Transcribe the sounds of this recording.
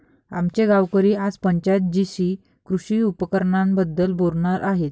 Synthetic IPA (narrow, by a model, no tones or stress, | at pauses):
a̰mt͡ɕeɡawkəɾiːad͡zpəɲt͡ɕat̪̚d͡ʑisi | kɾuɕiːupəkəɾɳãmbəd̪ːəlboɾɳaɾʔaɦet̪